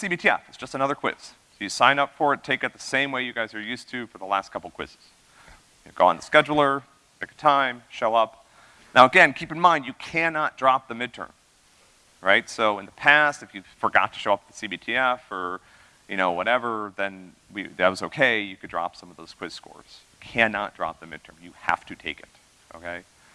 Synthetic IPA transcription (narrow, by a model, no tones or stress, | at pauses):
sibitʰiɛ̰fɨtsd̥ʒ̥ʌstənʌðə˞kʰw̥ɪ̰z̥ | soʊjɨsãɪ̃nʌpfə˞ɨtʰeɪkɨt̪̚ðɨsẽɪ̃mweɪjɨɡaɪzə˞jʉstʰɨfə˞ðəlæ̰stkʰʌpl̩ˠkʰw̥ɪ̰z̥ɨz̥ | ɨɡoʊə̃nðəskɛd͡ʒl̩ˠə˞ | tʰɪkə̥tʰãɪ̃mʃoʊʌp | nʔaʊəɡɛ̃nkʰipɨ̃n̩mãɪ̃ndjɨkʰænɑt̚dɹɑp̚ðɨmɪd̚tʰɜ̰̃˞m | ɹaɪtsoʊə̃nðəpʰæstɨfjɨ̥fə˞ɡɑ̰tʰɨ̥ʃoʊʌp̚ðɨsibitʰiɛfə˞ | jɨñoʊwʌɾɛvə˞ðɨ̃n | wḭðɨt̚wʌzoʊkʰeɪjɨkɨdɹɑ̰psʌ̃mʌvðoʊz̥kʰw̥ɪz̥skɔ̰ɹz̥jɨkʰænɑt̚dɹɑ̰p̚ðɨmɪ̰d̚tʰə̰̃˞mjɨhæ̰ftɨtʰeɪkɨt̚ | oʊkʰeɪ